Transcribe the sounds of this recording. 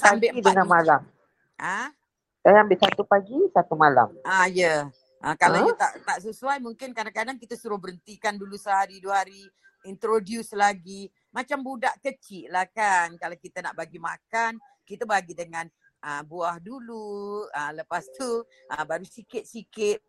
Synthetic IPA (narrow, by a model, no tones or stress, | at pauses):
sambɪʔidəŋanmalam | ʔa | sajambɪʔsat̪upaɡisat̪umala̰majə | ʔəkalat̪aʔt̪aʔs̬əsuajmuŋkɪnkadakadaŋkit̪əsuɾʊhbəɾənt̪ikandulusəhaɾiduəhaɾi | int̪ɾodjuslaɡi | mat͡ʃambudaʔkət͡ʃɪʔlahkankalawkit̪ənaʔbaɡimakan | kit̪əbaɡidəŋãn | ʔəbuahduluələpast̪u | ʔəbaɾusikɪt̪̚sikɪt̪̚